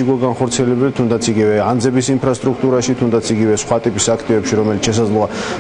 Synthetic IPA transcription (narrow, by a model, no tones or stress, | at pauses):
iɡɔɡanχɔɾt̪sʰiɛlɛbɛlit̪ʰund̪at̪sʰiɡivɛand̪zɛbisimpʰɾast̪ʼɾukʰt̪ʼuɾaʃit̪ʰund̪at̪sʰiɡivɛsχwat̪ʼipʼisakʰt̪ʼivɛpʃiɾɔmɛlit̪ʃɛs̬ad̪zlˠɔa